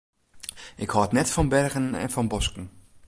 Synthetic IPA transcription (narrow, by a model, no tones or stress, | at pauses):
ʔɪkhɔtnɛtfɔnbɛrɣənɛ̰nfɔnbɔskn̩